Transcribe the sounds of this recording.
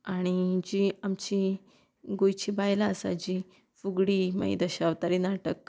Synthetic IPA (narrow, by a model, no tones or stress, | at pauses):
aɽ̃id͡ʑiamt͡ɕi | ɡojt͡ɕibajlaəsa̰d͡ʑi | fuɡɽimə̰j̰d̪əɕaʋt̪aɾinaʈək